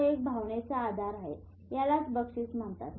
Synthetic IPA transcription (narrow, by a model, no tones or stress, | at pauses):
ek̚bʱaʋɳet͡saːd̪ʱaɾaɦḛ | jalat͡sbəkʂiːt͡sm̤əɳt̪a̰t̪